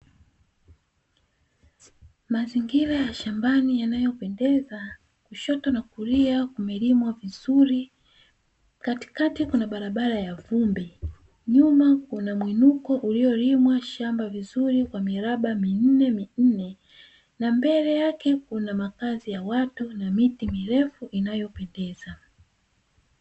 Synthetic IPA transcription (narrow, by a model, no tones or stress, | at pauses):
maziŋɡiɾajaʃambanijanajɔpɛndɛza | kuʃɔtɔnakuɾiakumɛlimwavizuɾi | kati̥katikunaɓaɾaɓaɾajavumbɛ | ɲumakunamwinukɔʔuliɔɾimwaʃambavizuɾikwamiɾaɓamin̩nɛmin̩nɛ | nambɛlɛjakɛkunamakazijawatunamitimiɾɛfuʔinajɔpɛndɛza